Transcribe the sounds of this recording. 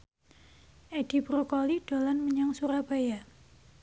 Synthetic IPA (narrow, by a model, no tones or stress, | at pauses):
ʔedi̤bɾokɔliɖ̥olanməɲaŋsuɾab̥aja